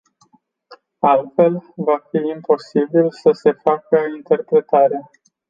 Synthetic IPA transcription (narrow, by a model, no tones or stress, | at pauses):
alt̪fe̞lvafiimpo̞sibilsəse̞fakəint̪e̞rpɾe̞t̪aɾa